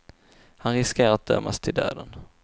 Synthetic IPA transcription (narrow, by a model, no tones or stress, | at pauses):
hanɾɪskeːɾaɾat̪̚d̪œ̰mːast̪ʰɪld̪øːd̪ən